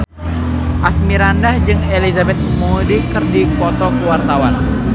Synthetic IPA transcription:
ʔasmiɾandahd͡ʒɨŋelizabɛt̪̚mudikɨrdipɔt̪ɔkuwart̪awan

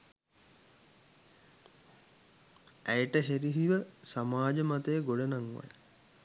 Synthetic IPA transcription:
æjʈəɦeɾiɦiʋəsamaːd͡ʒəmat̪ejːɡoɖənaŋʋa̰j

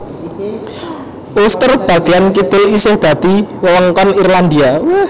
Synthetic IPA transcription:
ʔust̪ər̚b̥ä̤ɡ̥ejankid̪̥ɪ̤lisɪhd̪̥ä̤d̪̥iwəwəŋkɔnirland̪ia

